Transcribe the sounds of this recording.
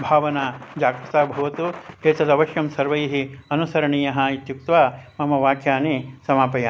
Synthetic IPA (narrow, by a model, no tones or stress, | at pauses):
bʱaːʋɐnad͡ʒaːɡɾɐt̪aːbʱɐʋɐt̪ueːt̪ɐd̪ɐʋɐʃjɐmsɐɾʋɐjɦiɐnusɐɾɐɳiːjɐɦɐit̪juk̚t̪ʋaːmɐmɐʋaːkʰjaːnisɐmaːpɐjaː